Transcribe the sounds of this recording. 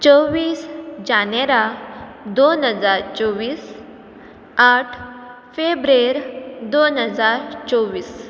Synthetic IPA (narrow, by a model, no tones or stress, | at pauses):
t͡sɔʋiːsd͡ʑaneɾad̪onɦəd͡zaɾt͡sɔʋiːs | aʈʰ | febɾeɾd̪onɦəd͡zaɾt͡sɔʋiːs